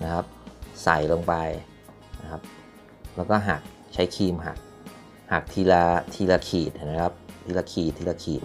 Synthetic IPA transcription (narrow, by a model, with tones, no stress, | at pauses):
na˦˥kʰa˦˥p̚sa˨˩˦jlo˧ŋpa˧j | na˦˥kʰa˦˥p̚ | lɛː˦˥wkɔː˥˩ɦaː˨˩k̚ | t͡ɕʰa˦˥jkʰiː˧mɦa̰ː˨˩k̚ | haː˨˩k̚t̪ʰiː˧laː˧t̪ʰiː˧laː˧kʰiː˨˩t̪̚ha˨˩m˦˥kʰa˦˥p̚t̪ʰiː˧laː˧kʰiː˨˩t̪ʰːiː˧laː˧kʰḭː˨˩t̪̚